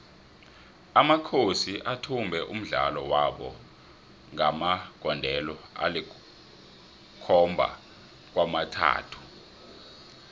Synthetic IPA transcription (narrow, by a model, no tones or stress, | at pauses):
amakʰosiʔatʰumbʱɛʔum̩ɮa̰lɔwaɓɔ | ŋamaɡ̥ʱɔndʱɛlɔa̰li | kʰɔmbʱa̰ | k̬wamatʰa̰ːtʰu̥